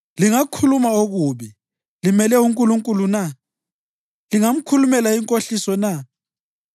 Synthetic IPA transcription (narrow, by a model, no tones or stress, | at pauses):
liŋakʰulumaoɣuβi | limɛlɛuŋkʼuluŋkʼuluna | liŋam̩kʰulumɛlaiŋkʼoɬisɔna